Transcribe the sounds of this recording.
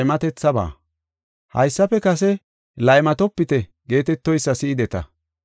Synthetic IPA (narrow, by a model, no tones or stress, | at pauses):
jmɐt̪ɛt͡sːɐba̰ː | hɐ̰jsːɐpɛkɐsɛ | lɐjmɐt̪ɔpːɪt̪ɛ | ɡe̞ːt̪ɛt̪ːɔjsːɐsɪɪd̪ɛt̪ɐ̰